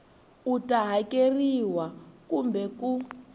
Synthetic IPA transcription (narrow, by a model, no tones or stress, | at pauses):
utaɦakeriwakumbɛku